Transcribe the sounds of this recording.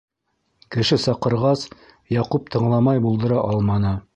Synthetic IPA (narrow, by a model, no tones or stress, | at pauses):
kɘ̆ʃɘsɑqɤ̆ɾʁɑs | jɑqup̚t̪ʰɤ̆ɴlˠɑmɑjbulˠd̪ɤ̆ɾɑʔɑlˠmɑnɤ